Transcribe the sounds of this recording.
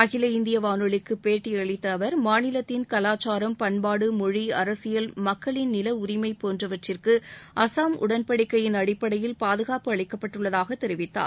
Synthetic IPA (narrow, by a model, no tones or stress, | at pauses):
ɐɣɪlɐɪnd̪ɪjɐʋaːnɯɭɪkːɯpeːʈːiɐɭɪt̪ːɐːʋɐɾmaːnɪlɐt̪ːɪnkɐlaːt͡ʃːaːɾɐmpɐɳpaːɽɯmɔɻiɐɾɐsɪjɐlmɐkːɐɭɪnnɪlɐʊɾɪmɐɪpoːndrɐʋɐʈrɪrkɯʔɐsaːmʔʊ̰ɽɐnpɐɽɪkːɐjɪnɐɽɪpːɐɽɐjɪlpaːðɯɣaːpɯɐɭɪkːɐpːɐʈːɯɭːɐðaːɣɐt̪ːɛɾɪʋɪt̪ːa̰ː